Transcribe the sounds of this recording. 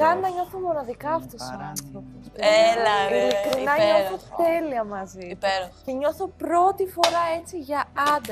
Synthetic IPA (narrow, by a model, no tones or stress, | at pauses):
ɐnɐɲo̞θomo̞nɐðikɐːft̪ossiɐnθɾoposɐilikɾinɐɲoθot̪e̞liɐmɐzipeɾoceɲo̞θopɾo̞t̪ifo̞ɾɐe̞t͡siʝɐɐd̪ɐ